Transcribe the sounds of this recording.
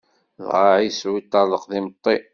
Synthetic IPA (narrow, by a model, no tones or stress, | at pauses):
ðʁaʕiswit̪ˤːɑləqðimət̪ˤːi